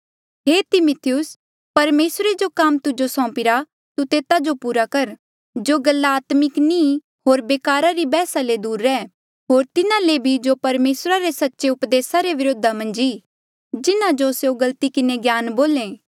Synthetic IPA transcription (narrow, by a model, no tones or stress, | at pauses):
ɦeːt̪ɪmʊt̪ʰɪjʊs | pɐɾmeːsɾed͡ʒokamt̪ʊd͡ʒosɔ̃ːpɪɾa | t̪ut̪eːt̪ad͡ʒopuːɾakɐɾ | d͡ʒoɡɐlːaaːt̪mɪkni | ɦoːɾbeːkaːɾaɾibɛːsaled̪uːɾːɛː | ɦoːɾt̪ɪnãlebʱid͡ʒopɐɾmeːsɾaɾesɐtːʃeʊpd̪eːsaɾeʋɪɾoːd̪ʱamɐ̃nd͡ʒiː | d͡ʒɪnãd͡ʒosjoɡɐlt̪ikɪneɡjaːnboːlẽː